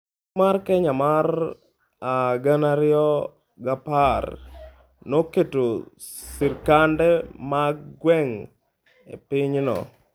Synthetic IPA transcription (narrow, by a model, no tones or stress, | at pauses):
markɛɲamar | aɡanaɾɪɔ | ɡapar | noketo | siɾkandɛmaɡwɛŋ | ḛpɪɲnɔ̰